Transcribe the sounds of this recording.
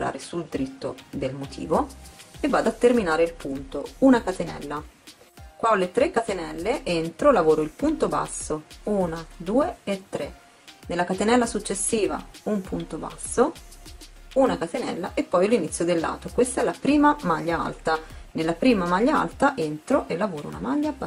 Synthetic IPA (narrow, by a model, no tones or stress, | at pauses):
ɾa̰ːɾesuld̪iɾit̪ːo̰d̪elmot̪ʰḭːvoevːaːd̪at̪ːerminaːɾeilpunt̪ounakat̪enɛ̰lːa | kwalːet̪ɾekːat̪enɛlːeʔent̪ɾolavoːɾoilpunt̪oba̰sːouːnad̪uːeet̪ːɾe | nelːakat̪enɛlːasut͡ʃːesːiːva̰umpunt̪oba̰sːo | unakat̪enɛ̰lːaʔepːɔjalinit̪sːjod̪elːa̰ːt̪okwest̪aɛlːapɾiːmamaʎːaa̰lt̪anelːapɾiːmamaʎːaa̰lt̪aʔent̪ɾoʔelːavoːɾo̰ṵna̰maʎːa